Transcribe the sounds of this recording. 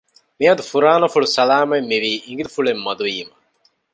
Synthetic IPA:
miɦɐd̪ufuɾaːnɐfuɭusɐlaːmɐimːiʋiːʔiŋɡilufuɭemːɐd̪uiːmɐ

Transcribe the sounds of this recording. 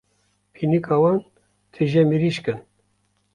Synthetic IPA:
pʰinikʰɑwɑn | t̪ʰɨʒɛmiɾiʃkɨn

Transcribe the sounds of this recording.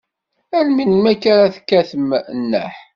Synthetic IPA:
ælminmækːaɾaθkːæθəmnːə̰ħ

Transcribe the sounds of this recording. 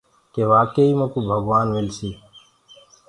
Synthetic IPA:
keʋaːkeiːmɐkubʱɐɡʋaːnʋilsiː

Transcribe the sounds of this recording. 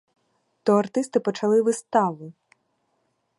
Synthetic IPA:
t̪ɔɐrt̪ɪst̪ɪpɔt͡ʃɐlˠɪʋɪst̪ɑʋʊ

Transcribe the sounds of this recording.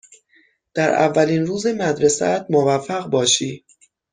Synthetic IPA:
d̪̥æɾæ̰vːæliːnruːzemæd̪ɾesæ̰t̪̚movæfːæɣbɒːʃiː

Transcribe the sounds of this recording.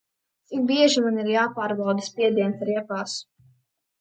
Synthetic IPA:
ibiɛʒimaniɾjaːpaːɾbawd̪aspʲiɛd̪iɛnt̪aɾɛpaːsu̥

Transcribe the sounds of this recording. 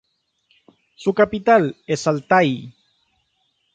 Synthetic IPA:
sukapit̪alesalt̪aj

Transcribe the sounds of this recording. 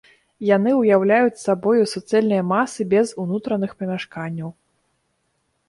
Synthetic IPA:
janɨujawlʲajut͡sʲsabɔjusɔt̪sɨjɛlʲnɨjɐmasɨbʲɛzunut̪ɾɐnɨxpɐmʲaʂkanʲːɐw

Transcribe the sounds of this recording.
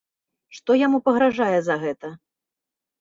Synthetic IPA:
ʂt̪ɔjamupɐɣɾaʐajɛzɐɣɛt̪ɐ

